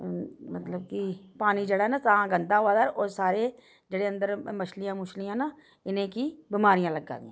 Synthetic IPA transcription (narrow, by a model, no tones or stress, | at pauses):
mət̪ləb̚kipaːnid͡ʒeːɽanat̪aãːɡənd̪ãːɦʊaːd̪aːɾoːɾsaːɾeː | d͡ʒeːɽeːə̃nd̪əɾməʃlijãːmʊʃlijãːnaː | ɪnẽːkiːbɪmaːɾijãːləɡːa̰ːʋ̪ɪ̰jãː